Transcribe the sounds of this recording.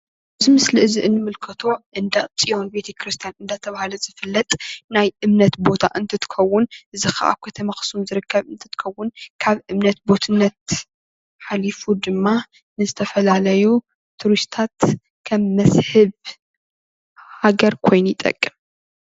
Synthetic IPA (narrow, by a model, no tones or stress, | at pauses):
ʔɨzimɨsliɨziʔɨnːɨmɨlkʰɐt̪ʰo̞ʔɨnd̪at͡sʼijo̞nbe̞t̪ʰekɾɨst̪ʰijanɨnd̪at̪ʰɐβahalɐzɨfɨlːɐt̪ʼnajʔɨmnɐt̪bo̞t̪ʰa̰ʔɨnt̪ʰɨt̪ʰɨ̥xʰɐwːʊnʔɨzɨxa̰ʔa̰βkʰɐt̪ʰɐmaxɨ̥sumzɨɾɨkʰːɐβɨnt̪ʰɨt̪ʰɨ̥xʰɐwːʊnkʰaβʔɨmnɐt̪̚bo̞t̪ʰɨnːɐt̪ | ħalifud̪ɨmːa | nɨzɨt̪ʰɐfɐlalɐju | t̪ʰuɾist̪ʰat̪ | kʰɐmːɐshɨβ | haɡɐɾkʰo̞jnujɪt̪ʼɐ̰kʼːɨm